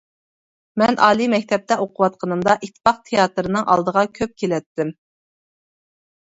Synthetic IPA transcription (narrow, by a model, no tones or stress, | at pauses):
mɛnʔɑ̰ːlˠimɛkʲt̪ʰɛp̚t̪ʰɛʔoqʰʊwɑt̪̚qʰənɨmd̪ɑʔit̪ʰːɨ̥pɑq̚t̪ʰejɑt̪ɨɾɨnɨŋʔɑ̰lˠd̪əʁɑkʲʰøp̚kʲʰelɛt̪ːɪm